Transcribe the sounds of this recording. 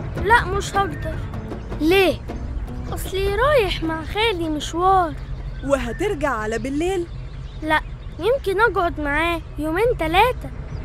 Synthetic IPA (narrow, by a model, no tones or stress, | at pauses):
laʔmɪʃhɑɡd̪ɑɾˤ | leː | ʔɑsˤliɾˤɑːjɪħmaʕxeːlimɪʃwɑːɾˤwɪɦat̪ɪɾɡaʕːalabɪlːeːl | laʔ | jɪmkɪnʔɑɡʕʊd̪maʕaːjoːmeːnt̪aleːt̪a